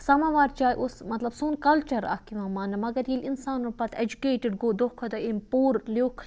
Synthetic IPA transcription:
sɐmaʋaːɾt͡ʃaːjʔosmɐt̪lɐbsuːnkɐlt͡ʃɐɾɐ̰kiʋãːmaːnɐmɐɡɐɾjilʲinsaːnupɐt̪ʰed͡ʒukeːʈɪɖɡoːd̪okʰod̪oimpoːɾloːkʰ

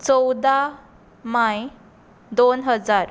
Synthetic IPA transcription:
t͡sɔwd̪a | maj | d̪onɦəd͡zaɾ

